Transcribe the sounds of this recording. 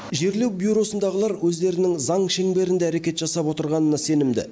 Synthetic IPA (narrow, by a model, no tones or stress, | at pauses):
ʒe̞ɾle̞wbʲjuɾo̞sənd̪ɑʁəlˠɑɾwɵzd̪e̞ɾɪnɪŋzɑŋʃe̞ŋbe̞ɾɪnd̪eæɾe̞kʲe̞t̪ʒɑsɑpwo̞t̪əɾʁɑnənɑse̞nɪmd̪ɪ̰